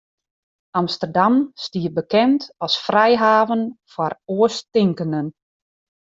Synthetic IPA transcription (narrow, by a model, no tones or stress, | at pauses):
amstərdamstiːəbəkɛntɔsfrɛjɦaːvənfaroəstɪŋkənən